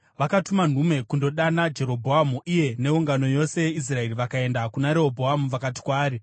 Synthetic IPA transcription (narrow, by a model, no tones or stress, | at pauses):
ʋakatuman̤ume̞kundo̞ɗanad͡ʒe̞ɾo̞bʱoamuʔije̞ne̞uŋɡano̞jo̞se̞jeis̬rae̞riʋakae̞ndakunaɾeobʱoamuʋakati̥kwaːɾi